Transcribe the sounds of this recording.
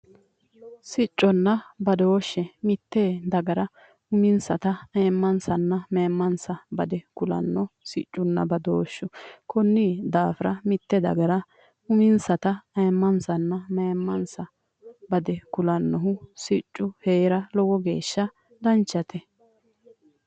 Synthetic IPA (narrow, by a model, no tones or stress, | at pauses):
sɪt͡ʃʼːɔnːɐbɐd̪o̞ːʃːɛmɪt̪ːed̪ɐɡɐɾɐ | ʊmɪnsɐt̪ɐeːmːɐnsɐnːɐmeːmːɐnsɐbɐ̰d̪ɛkʊlɐ̰nːɔsɪt͡ʃʼːʊnːɐ̰bɐd̪oːʃːʊkɔnːiːd̪aːfɪɾɐmɪt̪ːɛd̪ɐ̰ɡɐɾɐ | ʊmɪnsɐt̪ɐɐːmːɐnsɐnːɐmeːmːɐnsɐ | bɐd̪ɛkʊlɐnːɔɦʊsɪt͡ʃʼːʊheːɾɐlɔwɔɡe̞̰ːʃːɐ | d̪ɐnt͡ʃːɐt̪ʰɛ